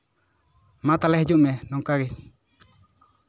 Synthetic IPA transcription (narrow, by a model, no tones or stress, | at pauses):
mat̪alɛhd͡ʒuʔmɛnɔŋkaɡi